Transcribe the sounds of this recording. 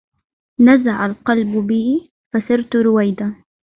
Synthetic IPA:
nazaʕalqɑlbʊbɪː | fasɪɾt̪ɾʊwajd̪a

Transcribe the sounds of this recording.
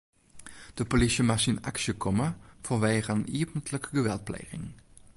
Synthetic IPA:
d̥əpolɪʃəmɑsinɑ̰kʃəkʰɔməfɔʋæjʁənniːpn̩t̪ləkɡəʋɛlˠt̚plḛjʁɪ̰ŋ

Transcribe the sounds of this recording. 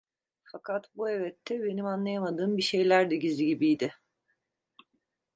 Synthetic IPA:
fakʰat̪buɛvɛt̪ʰːɛbe̞nimanlˠajamad̪ɯːmbiʃe̞jlʲæɾd̪ɪɟiziɟibijd̪ɪ

